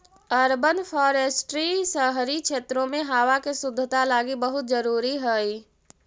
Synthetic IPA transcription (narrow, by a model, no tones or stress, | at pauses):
əɾbənpʰɔːɾesʈɾisəɦɾikt͡ʃʰeːt̪ɾõmeɦaːʋakesʊd̪ʱːət̪alaːɡibəɦʊt̪̚d͡ʒəɾuːɾiɦəj